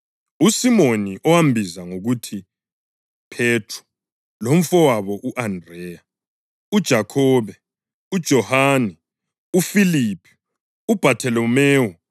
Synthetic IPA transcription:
usimoniʔɔwambʱizaŋoɣutʰi | pʰetʰrɔ̥ | lom̩fɔwaβɔʔuʔandrɛja | ud̥ʒ̥ʱakʰɔːβɛ | ud̥ʒ̥ʱɔhaːnɛ | ufilipʰɛ̥ | ub̥ʱatʰɛlɔmeːu

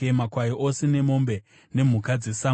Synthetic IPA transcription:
makwaiʔosene̞mo̞mbe̞ | ne̞m̤ukad͡ze̞sa

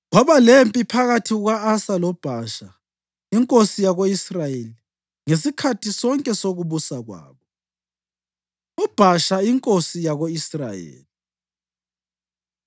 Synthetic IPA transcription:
ɣwaβalempʼipʰaɣatʰiɣwaasalɔb̥ʱaʃa | iŋkʼosijaɣoisrajeli | ŋesikʰatʰisɔŋkʼɛsoɣuβusaɣwa̰ːβɔ | ɔb̥ʱaʃaiŋkʼosijaɣoisra̰jḛːli

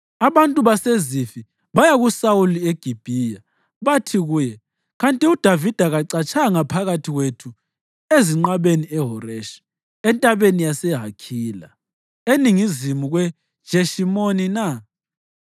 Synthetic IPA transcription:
aβantʼuβasezifi | βajaɣusawulieɡ̥ʱib̥ʱija | βatʰiɣujɛ | ɣantʼiud̥ʱavid̥ʱaɣaǀat͡ʃʰʼaŋapʰaɣatʰiɣwetʰu | eziŋ͡ǃaβeniɛɦɔɾɛʃḁ | ɛntʼaβenijasɛɦakʰiːla̰ | eniŋizimuɣwɛ̥ | ʒ̥ʱeʃimonina

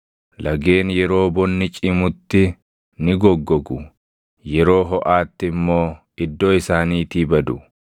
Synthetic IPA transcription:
lʔɐɡe̞ːnjɛɾo̞ːbɔnːɪt͡ʃʼɪmʊt̪ːɪ | nɪɡɔɡːɔɡʊ | jɛɾoːɦɔʔaːt̪ːɪmːo̞ː | ɪd̪ːoːɪsaːniːt̪iːbɐd̪ʊ

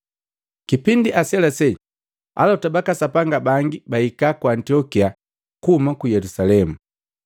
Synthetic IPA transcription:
kipindiʔasɛlasɛ | a̰lɔtabakasapaŋɡabaŋɡibaikakwantiɔkia | kuhumakujɛlusalɛmu

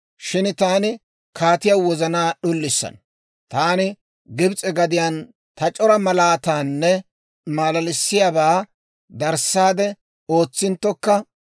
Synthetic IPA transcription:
ʃɪnt̪aːnɪ | kʰaːt̪ɪjawɔzɐnaːɗʊlːɪsːɐ̰n | t̪aːnɪ | ɡɪbt͡sʼɛɡɐd̪ɪjaːn | t̪ɐt͡ʃʼɔɾɐmɐlaːt̪aːnːɛ | maːlɐlɪsːɪjabaː | d̪ɐɾsːaːd̪ɛ | o̞ːt͡sːɪnt̪ːɔkːɐ

